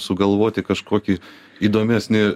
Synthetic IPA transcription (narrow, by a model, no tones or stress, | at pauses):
sʊɡɐlˠʋoːt̪ʲɪkɐʃkoːkʲi | iːd̪oːmʲæsʲnʲɪ